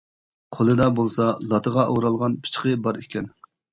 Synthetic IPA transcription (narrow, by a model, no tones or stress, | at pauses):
qʰolˠɨd̪ɑbolˠsɑlˠɑt̪ʰəʁɑʔowɾɑlˠʁɑnpʰɨ̥t͡ʃqəbɑɾikʲʰɛn